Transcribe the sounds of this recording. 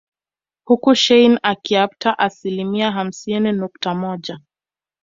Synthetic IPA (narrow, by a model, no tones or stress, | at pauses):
hukuʃɛjnakiap̚taʔasilimiaɦam̩sininuk̚tamɔʄa